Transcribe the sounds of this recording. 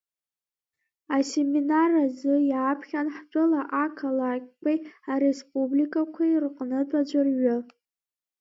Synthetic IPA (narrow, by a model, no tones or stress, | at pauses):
ase̞minarazɨjaːpʰχʲanħt͡pʷʼʊlaʔakʰalakʲʼkʷʼajaɾespʼublikʼakʷʰairqʼnɨt͡pʷʼad͡ʒʷarɥʊ